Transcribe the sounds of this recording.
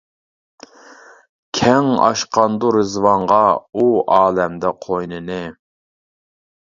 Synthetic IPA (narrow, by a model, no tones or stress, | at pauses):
kʲʰɛŋɑ̰ʃqɑnd̪uɾɨzwɑɴʁɑuɑːlɛmd̪ɛqʰojnɨnɨ